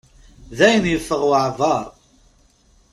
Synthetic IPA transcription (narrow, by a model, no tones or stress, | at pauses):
ðæjənjəfːəʁwʕðˤɑɾˤ